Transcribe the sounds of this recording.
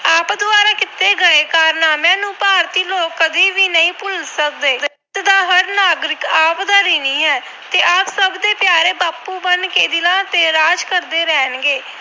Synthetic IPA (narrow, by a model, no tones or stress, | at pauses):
aːpd̪ʊaːɾaːkɪt̪ːeːɡəeːkaːɾnaːmãːnũːpaːɾt̪iːloːkːəd̪iːʋiːnəĩːpʊlsək̚d̪eːd̪e | t̪ɪd̪ãːɦəɾnaːɡɾɪkaːpd̪aːɾiːnĩːɦɛː | t̪eːʔaːpsəbd̪eːpjaːɾeːbaːpuːbənkeːd̪ɪlãːt̪eːɾaːd͡ʒkəɾd̪eːɾɛːnɡeː